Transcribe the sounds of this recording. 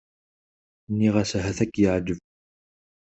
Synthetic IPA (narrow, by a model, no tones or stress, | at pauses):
nːiʁæsɦæθækːjəʕd͡ʒəv